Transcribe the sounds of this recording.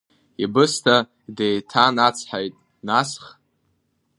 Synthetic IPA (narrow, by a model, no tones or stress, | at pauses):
ibɨstʰa | dejtʰanat͡sʰħajtʼ | nasχ